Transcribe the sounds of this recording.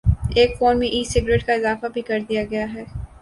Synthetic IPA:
eːkfoːnmẽʔiːsɪɡɾeːʈkaɪzaːfabʱikɐɾd̪ijaɡɐjaɦɛː

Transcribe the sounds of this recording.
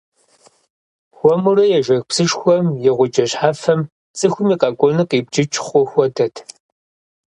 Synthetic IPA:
xʷɔmʊrɐjɛʒʷɐxpsɨʂxʷɔmjɛʁʷʊd͡ʒʼɐɕħafɐm | t͡sʼɨxʷʊmiːqʼɐkʷʼɔnɨqʼiːb̚d͡ʒɪt͡ʃʼχʷɔxʷɔdɐtʰ

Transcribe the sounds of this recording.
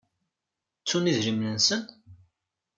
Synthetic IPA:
t͡sːuniðɾəmnənsən

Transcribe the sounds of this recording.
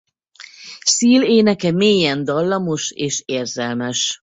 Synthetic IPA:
siːleːnɛkɛmeːjɛnd̪ɒlːɒmo̞ʃeːʃeːrzɛlmɛʃ

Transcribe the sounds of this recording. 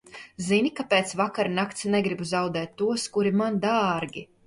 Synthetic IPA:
zinʲikapeːt̪svakaɾnakt̪snɛɡɾibuzawd̪ɛːt̪ːuɔskuɾimand̪aːɾɡʲi

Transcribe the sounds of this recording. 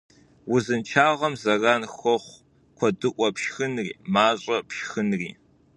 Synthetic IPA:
wʊzɨnt͡ʃʰaːʁɐmzɐraːnxɔχʷ | kʷʰɔdɨʔʷʼɔpʃxɨnrḭːmaːɕʼɐpʃxɨnrḭː

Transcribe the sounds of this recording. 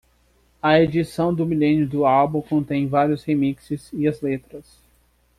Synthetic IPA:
ɐed͡ʒisɐ̃w̃d̪ʊmilẽnjʊd̪ʊawbũkõnt̪ẽj̃vaɾjʊshemiksɪziɐzlet̪ɾɐs

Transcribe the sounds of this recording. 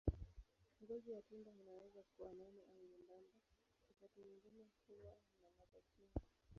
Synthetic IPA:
ŋɡɔzijatindainawɛzakuwananiʔaŋɡundanda | wakatiɲiŋɡinɛkuwainamaɓakina

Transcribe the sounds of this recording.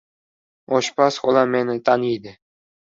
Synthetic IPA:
oʃpasqolˠɑmenɪt̪ʰanijd̪ɪ

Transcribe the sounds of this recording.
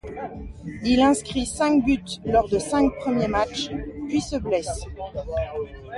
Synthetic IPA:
ilɛ̃skχisɛ̃kbyt̪lɔʁd̪əsɛ̃kpχəmjemat͡ʃpɥisəblɛs

